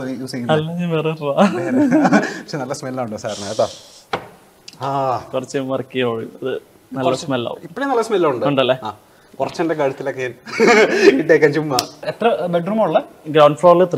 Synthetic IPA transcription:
juːseŋːiɐlːeŋeʋererae | pɐ̥kʂenɐlːɐsmellaːuɳɖɨsaːɾnaɐt̪ːaː | akurɐt͡ɕːeʋɐrɐkːijɐoːɻiɐðɨ | nɐlːɐsmelːa̰ːʋṵipmpːoɽenɐlːɐsmelːaːuɳɖɨuɳɖɐlːeːaː | kurɐt͡ɕːɐndek̬aɻɐt̪ːilokːeɲaːn | kiʈːeːjkːaːnt͡ɕumːaet̪rɐbeɖruːmaɭːɐɡɾawɳɖfloːrlɨt̪ːri

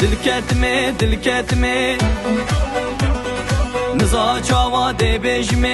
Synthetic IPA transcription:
d̪ɨlkʲʰɛt̪ɨmed̪ɨlkʲʰɛt̪ɨme | nɨzɑːt͡ʃʰɑːwɑːd̪eːbeːʒɪme

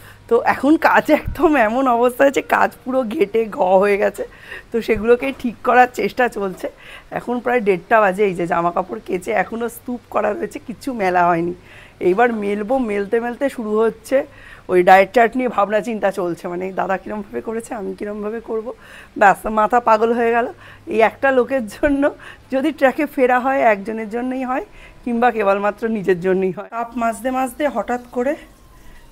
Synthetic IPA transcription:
t̪oʔɛkʰonkad͡ʑɛkd̪ʱomɛmonɔbost̪ʰaɦed͡ʑeka̰d͡ʑpuɾoɡʱeʈeɡʱɔɦoeɡɛt͡ɕʰe | t̪oʃeɡulokeʈʰikːɔɾaɾt͡ɕeʃʈat͡ɕolt͡ɕʰeɛ̰kʰonpɾaeɖeʈ̚ʈabad͡ʑejd͡ʑed͡ʑamakapuɾket͡ɕeɛkʰonostupkɔɾaɾoet͡ɕʰekit͡ɕʰumɛlaɦɔeni | ejbaɾmelbomelt̪emelt̪eʃuɾuɦotːɕʰe | ojɖaeet͡ɕaɾʈniebʱabnat͡ɕint̪at͡ɕolt͡ɕʰemaned̪ad̪akiɾombʱabekoɾet͡ɕʰeamikiɾombʱabekoɾbo | basmat̪ʰapaɡolɦoeɡɛlo | ejɛkʈalokeɾd͡ʑonːod͡ʑod̪ʱiʈɾɛkefeɽaɦɔeɛk̚d͡ʑoneɾd͡ʑonːojɦɔekiŋbakebalmat̪ːɾonid͡ʑeɾd͡ʑonːojɦɔekapmad͡ʑd̪emad͡ʑd̪eɦɔʈat̪koɾe

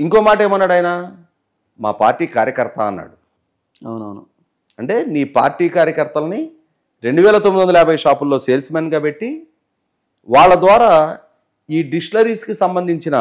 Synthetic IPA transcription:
iŋko̞ːmaːʈeːmɐnːaɽɐjnaː | ma̰ːpa̰ːɾʈiːkaːɾjɐkɐɾt̪ɐɐnːa̰ːɽu | ɐ̰wnɐwnṵ | ɐɳʈe̞ːniːpaːɾʈiːkaːɾjɐkɐɾt̪ɐlɐni | ɾe̞ɳɖuʋɛːlɐt̪omid̪ond̪ɐlaːbʱɐjɐʂaːpulːo̞ːse̞ːlsmeːnɡaːpe̞ʈːi | ʋaːɭːɐd̪ʋaːɾaː | iːɖiʂlɐɾiːskisɐmbɐnd̪ʱiɲt͡ʃinɐ

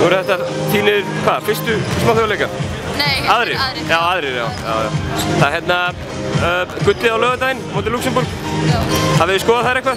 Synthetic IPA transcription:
ɔɾʏθɛht̪at̪ʰiːnɪɾkʰvaðfɪrst̪ʏɪsmawθjlejka | aðɾɪɾjaːwaðɾɪɾja̰ːwja̰ːwja̰wθaðɾɦjɛt̪na | kʏt̪ːɪawlœːðʏt̪ajɪnmoːt̪ɪluksɛmbuɾk | haðvɛðjʏskɔːðaθaðɾɛhkva

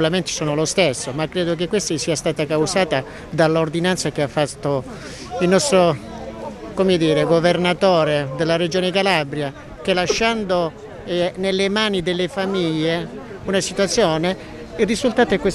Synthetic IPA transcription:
lament̪i̥sɔːnolost̪esːomakːɾɛːd̪ok̬ekːwest̪asiːast̪aːt̪akawzaːt̪a | d̪alːord̪inant̪sakeafːat̪ːo | ilnɔst̪ɾo | komed̪iːɾeɡovernat̪ɔːɾed̪elːaɾed͡ʒoːnekalabɾja | k̟elaʃːand̪o | ɛnelːemaːnid̪elːefamiʎːe | unasit̪wat̪sːjɔːne | irːizult̪aːt̪oɛkːwe

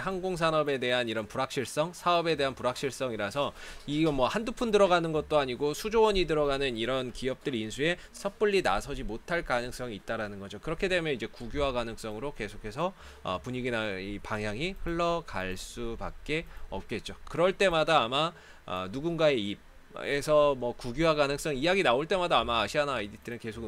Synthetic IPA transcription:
ɦanɡoŋsʰanʌbe̞de̞ɦaniɾʌnpuɾak̚ɕ͈ʰiɭs͈ʌŋsʰaʌbe̞de̞ɦanpuɾak̚ɕ͈ʰiɭs͈ʌŋiɾasʰʌiɡʌmwʌhandupʰundɯɾʌɡanɯnɡʌt̚t͈oaɲiɡosʰud͡ʑowʌɲidɯɾʌɡanɯniɾʌnkiʌp̚t͈ɯɾinsʰue̞ | sʰʌp͈uʎːina̰sʰʌd͡ʑimotʰaɭkanɯŋs͈ʌŋiːt̚t͈aɾanɯnɡʌd͡ʑokɯɾʌkʰe̞de̞mjʌnid͡ʑe̞kuɡjowaɡanɯŋs͈ʌŋɯɾoke̞sʰokʰe̞sʰʌ | ʌ̰puɲiɡinaipaŋɦjaŋiɸɯɭːʌka̰ɭs͈upa̰k̚k͈e̞ʌp̚k͈e̞t̚t͡ɕ͈okɯɾʌɭt͈e̞madaːma | ʌ̰nuɡunɡae̞ib̚ | esʰʌmʌkuɡuwaɡanɯŋs͈ʌŋijaɡinaoɭt͈e̞madaːmaːɕʰianaidit͈ʰenɯnke̞sʰok

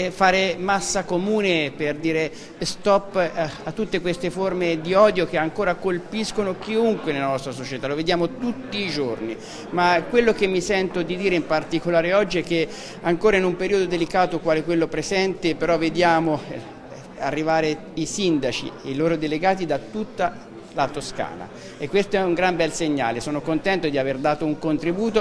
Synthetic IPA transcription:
faːɾemasːakomuːneperd̪iːɾe | st̪ɔpːat̪ːut̪ːekwest̪eformed̪iɔːd̪jok̟eaŋkoːɾakolpiskonok̟iuŋkwenelanɔst̪ɾasot͡ʃet̪aloved̪jaːmot̪ut̪ːiːd͡ʒorni | makːwelːok̟emːisɛnt̪od̪id̪iːɾeimpart̪ikolaːɾeɔd͡ʒːiɛk̟ːe | aŋkoːɾainumpeɾiod̪od̪elikaːt̪okwaːlekwelːopɾezɛnt̪epeɾɔvːed̪jaːmo | a̰rːivaːɾe | isind̪at͡ʃḭeiloːɾod̪eleɡaːt̪̬id̪at̪ut̪ːa | lat̪oska̰ːna̰ | ekːwest̪oɛuŋɡɾambɛlseɲːa̰ːlesoːnokont̪ɛnt̪od̪iaverd̪aːt̪ouŋkont̪ɾibuːt̪o

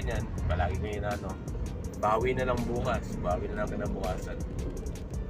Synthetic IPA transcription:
ɲanpɐlaːɡɪŋɐjʊnaːno | baːwinɐlɐŋbuːkasbaːwinɐlaŋkɪnabʊkaːsɐn

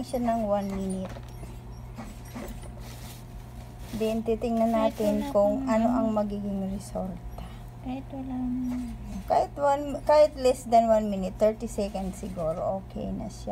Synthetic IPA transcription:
ŋʃanɐŋwanminɪt̪̚ | d̪ɛʔɪnt̪it̪ɪŋnɐnaːt̪ɪnkʊŋʔɐno̞̰ʔɐŋmɐɡiːɡɪŋɾɛsolt̪ɛ | kahɪt̪l | kaːhɪt̪wanmkaːhɪt̪lɛsd̪ɐnwanminɪt̪ːɛɹt̪isɛkɐnd̪sɪɡuːɾo̰ʔoːkɛ̰jnɐ̰ʃa

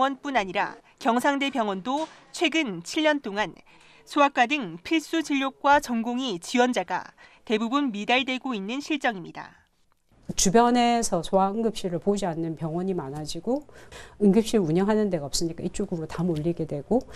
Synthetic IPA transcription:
wʌnp͈unaɲiɾa̰ | kjʌŋsʰaŋde̞bjʌŋwʌndot͡ɕʰwe̞ɡɯnt͡ɕʰiɭːʌnt͈oŋan | sʰuak͈̚wadɯŋpʰiɭs͈ud͡ʑiʎːok̚k͈wat͡ɕʌŋɡoŋit͡ɕiwʌnd͡ʑaɡa̰te̞bubunmidaɭdwe̞ɡoinːɯnɕʰiɭt͡ɕ͈ʌŋimɲida̰ | t͡ɕubjʌne̞sʰʌsʰoaɯŋɡɯp̚ɕ͈iɾɯɭpod͡ʑianːɯnpjʌŋwʌɲimanɦad͡ʑiɡoɯŋɡɯp̚ɕ͈iɾuɲʌŋɦanɯnde̞ɡaʌp̚s͈ɯɲik͈ait͡ɕ͈oɡɯɾotamoʎːiɡe̞dwe̞ɡ̥o

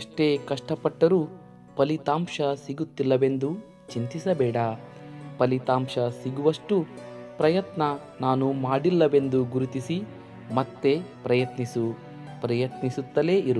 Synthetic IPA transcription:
ɐʂʈe̞ːkɐʂʈɐpɐʈːɐɾu | pɐlit̪aːmʂɐsiɡut̪ːilːɐʋe̞nd̪u | t͡ʃint̪isɐbɛːɽɐ | pɐlit̪aːmʃɐsiɡuʋɐʂʈupɾɐjɐt̪nɐ | naːnumaːɽilːɐʋe̞nd̪uɡuɾut̪isi | mɐt̪ːe̞pɾɐjɐt̪nisu | pɾɐjɐt̪nisut̪ːɐle̞ːiɾu

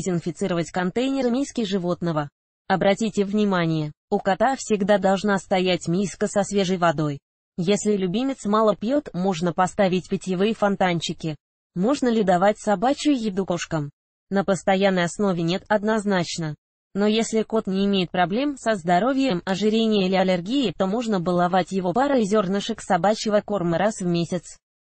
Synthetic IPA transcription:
zʲɪnfʲɪt̪sɨɾəvətʲkɐnt̪ejnʲɪɾəmʲejskʲɪʐɨvo̞t̪nəvə | ɐbɾɐtʲitʲɪvnʲɪmanʲɪjə | ʊkɐt̪afsʲɪɡd̪ad̪ɐlˠʐnast̪ɐjætʲmʲiskəsɐsvʲe̞ʐəjvɐd̪o̞j | jesʲlʲɪlʲʊbʲimʲɪt̪smɑlˠəpʲjot̪mo̞ʐnəpɐst̪avʲɪtʲpʲɪtʲɪvɨjəfɐnt̪anʲt͡ɕɪkʲɪ | mo̞ʐnəlʲɪd̪ɐvat̚ʲsɐbat͡ɕʊjɪd̪ukoʂkəm | nəpəst̪ɐjanːəjɐsno̞vʲɪnʲe̞t̪ɐd̪nɐznat͡ɕnə | no̞jesʲlʲɪko̞t̪nʲɪːmʲejɪt̪̚pɾɐblʲe̞msəzd̪ɐɾo̞vʲjəmɐʐɨɾʲenʲɪjəlʲɪɐlʲɪrɡʲijɪt̪o̞moʐnəbəlˠɐvatʲjɪvo̞baɾəzʲo̞rnəʂɨksɐbat͡ɕɪvəko̞rməɾʔasvmʲesʲɪt̪s

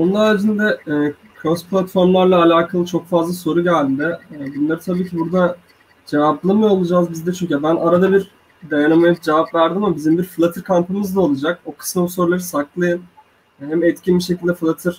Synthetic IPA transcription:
onlˠaɾd͡ʒind̪ɛɛː | kʰɾospʰlʲˠat̪fo̞ɾmlˠaɾlˠaːlʲaːkʰalˠɯt͡ʃʰo̞kfazlˠaso̞ɾuɟælʲd̪d̪ɛːbunlˠaɾɯt̪ʰabiːcʰibuɾd̪a | d͡ʒevaplˠamɯjoolˠud͡ʒaːzbizd̪ɛt͡ʃʰyɲcyɛbænʔaɾad̪abiɾ | d̪ejanamajɯpd͡ʒevapvæɾd̪imamabizimbiɾfɯlˠat̪ʰɯɾkʰampɯmɯzd̪ˠao̞lˠud͡ʒak̚o̞kʰɯ̥smaosoɾlˠaɾɯsaklˠajɯn | ɦæmɛt̪cinbiʃecʰilʲd̪ɛfɯlˠat̪ʰɯɾ̥

